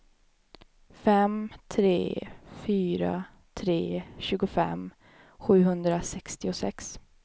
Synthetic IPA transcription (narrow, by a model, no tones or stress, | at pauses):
fɛmt̪ʰɾeːfyːɾa̰ | t̪ʰɾeːɕʉ̟ːɡʊfɛ̰m | ɧʉ̟ːɦɵnd̪ɾasɛkst̪ɪʊsɛ̰ks